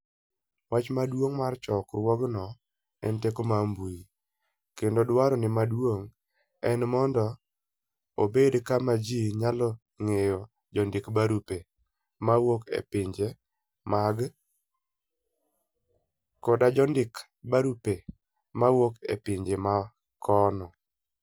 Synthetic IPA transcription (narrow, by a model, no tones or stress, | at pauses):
wat͡ʃmadwoŋmart͡ʃɔkrwɔɡnɔ | ɛntekomambuji | kendodwaɾɔnɪmadwoŋ | ɛnmɔndɔ | obedkamad͡ʒiɲalɔ | ŋejɔ | d͡ʒɔndɪkbaɾupe | mawokḛpɪɲd͡ʒe | maɡ | kɔdad͡ʒɔndɪk | baɾupe | mawokḛpɪɲd͡ʒema | kʰɔnɔ